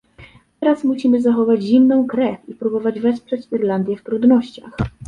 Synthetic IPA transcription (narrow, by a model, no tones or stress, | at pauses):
t̪ɛɾasmuɕimɘzaxɔvad͡ʑʑimnɔ̃w̃kɾɛfʲipɾubɔvad͡ʑvɛspʂɛt͡ɕiɾland̪ʲjɛft̪ɾud̪nɔɕt͡ɕa̰x